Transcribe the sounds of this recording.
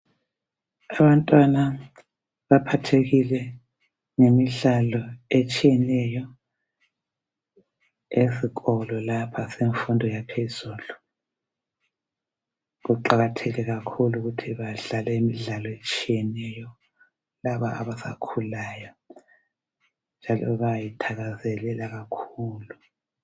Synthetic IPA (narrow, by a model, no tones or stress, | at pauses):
aβantʼwana | βapʰatʰeɣilɛ | ŋemiɮalɔet͡ʃʼijɛnɛjɔ | esiɣɔlɔlapʰaseɱfundʱɔjapʰez̥uːlu | ɣuǃaɣatʰɛlɛɣakʰuluɣutʰiβaɮalɛimiɮalɔet͡ʃʼijɛnɛjɔ | laβaa̰βasa̰kʰulajɔ | nd͡ʒʱalɔ̰βajitʰaɣazɛlɛlaɣakʰuːlu